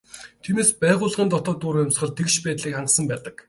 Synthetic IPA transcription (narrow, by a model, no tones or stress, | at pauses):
t̪ʰimeːspæːʁʊːɮʁiːnt̪ɔt̪ɔːt̪ːʊɾjʊmsχə̆ɮt̪ʰekʃpæːt̪ɮiːkχaɴqsə̆mpæːt̪ə̆k